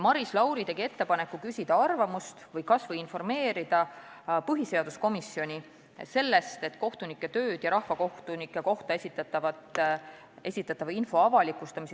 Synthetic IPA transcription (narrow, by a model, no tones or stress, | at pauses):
mɑɾislɑwɾit̪e̞ɡ̥ie̞t̪ːe̞pɑnekːukysʲid̪̥ɑɑrvɑmust̪vɤjkɑsvɤjinfo̞rme̞ːɾid̪̥ɑ | pɯɦise̞ɑd̪usko̞misːio̞nʲi | se̞lːe̞st̪e̞t̪ːko̞ht̪unikːe̞t̪ø̞ːd̪̥jɑɾɑhvɑko̞ht̪unikːˑeko̞ht̪ɑesʲit̪ːˑɑt̪ːˑɑvɑt̪ | e̞sʲit̪ːˑɑt̪ːˑɑvɑinfo̞ɑvɑlikˑust̪ɑmis